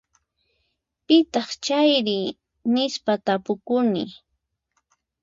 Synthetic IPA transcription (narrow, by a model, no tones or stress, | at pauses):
pɪt̪ɑχt͡ʃajɾɪ | nɪspat̪apʊkʊnɪ̰